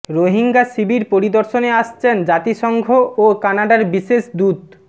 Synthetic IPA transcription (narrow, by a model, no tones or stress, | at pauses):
ɾoɦiŋɡasibiɾpoɾid̪oɾʃoneaʃt͡ɕʰend͡ʑat̪iʃɔŋɡʱoʔokanaɖaɾbiʃeʃd̪ud̪